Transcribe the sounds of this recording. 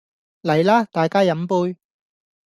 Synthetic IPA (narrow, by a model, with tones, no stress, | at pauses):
lɐ˨˩jlaː˧˥t̪aː˨jkaː˥jɐ˨˥mpuː˧j